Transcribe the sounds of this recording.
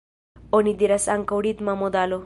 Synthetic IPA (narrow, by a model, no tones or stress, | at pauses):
ɔnid̪iɾasaŋkəwɽit̪mamɔd̪alo